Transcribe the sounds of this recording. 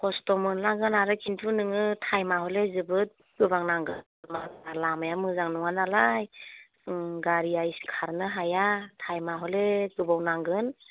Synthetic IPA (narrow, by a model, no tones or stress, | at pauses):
kɔstɔmɯnlaŋɡɯnaɾɯkʰintʰunɯŋɯtʰajmaɦɔlezɯbɯt̚ | ɡ̥ɯbaŋnaŋɡɯn | maalamajamɯzaŋnɔŋanalaj | ɡaɾiajskʰaɾnɯɦajatʰajmaɦɔleɡɯbawnaŋɡɯn